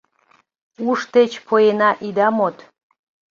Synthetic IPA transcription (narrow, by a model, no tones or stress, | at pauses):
uʃt̪et͡ɕpʰojenɑʔid̪ɑmot̪